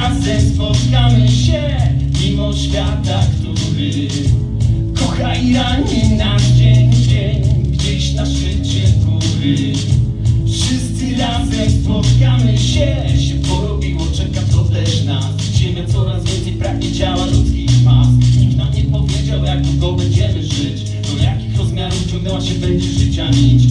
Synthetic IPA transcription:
azɛmspɔt̪kamɘɕɛ | mʲimɔɕfʲjat̪akt̪u | ɾɪ | kɔxaiɾaɲinad͡ʑeɲd͡ʑeɲɡd͡ʑɛɕnaʂvɪt͡ɕɛk̪u | ɾɘ | fʂɨst̪sɨɾazɛmspɔt̪kamɘɕɛɕɛpɔɾɔbʲiwɔt͡ʂɛkat̪ɔd̪lɛɕnasʑɛmʲjat̪sɔɾazvʲjɛnsɛjpɾavʲjɛt͡ɕawalut̪skʲipasɲiknamɲɛpɔvʲjed͡ʑawɛjaɡ̚t̪ɔɡ̪ɔbɛɲd͡ʑɛmɨʐɪt͡ɕ | d̪ɔjakʲixɾɔzmʲjaɾuvt͡ɕɔ̃ŋɡd̪awaɕɛbɛɲd͡ʑɛʂɨt͡ɕamʲit͡ɕ

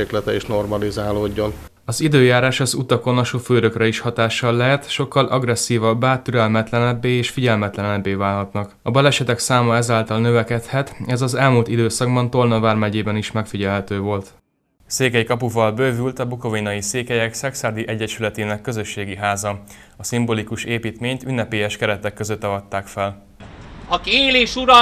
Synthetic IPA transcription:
eːklɛt̪ɛiʃno̞rmɒlizaːloːɟːo̞n | ɒzid̪øːjaːɾaːʃɒzut̪ɒko̞nɒʃoføːɾø̞krɛiʃhɒt̪aːʃːɒlːɛɦɛt̪ʃo̞kːɒlʔɒɡrɛsːiːvɒbːaːt̪yɾɛlmɛt̪lɛnɛbːeːeːʃfiɟɛlmɛt̪lɛnɛbːeːvaːlɦɒt̪nɒkɒbɒlɛʃɛt̪ɛksaːmɒɛzaːlt̪ɒlnøvɛkɛt̪hɛt̪ɛzɒzɛlmuːlt̪id̪øːsɒɡbɒnt̪o̞rnɒvaːrmɛɟeːbɛniʃmɛkfiɟɛlɦɛt̪øːvo̞lt̪ | seːkɛjikɒpuvɒlbøːvylt̪ɒbukovinɒjiseːkɛjɛksɛksaːrd̪iʔɛɟːɛʃylɛt̪eːnɛkːø̞zø̞ʃːeːɡiɦaːzɒɒsimbolikuʃeːpiːt̪meːɲt̪ynːɛpeːjɛʃkɛɾɛt̪ɛkːøzøt̪ːɒvɒt̪ːaːkfɛl | ɒkieːleːʃuɾɒ

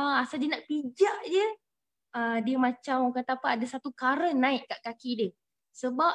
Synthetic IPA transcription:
aasald͡ʒənaʔpid͡ʒaʔd͡ʒə | ədiəmãt͡ʃamakat̪apaːdasat̪ukaɾənãɪʔkaʔkakidə | səbap̚

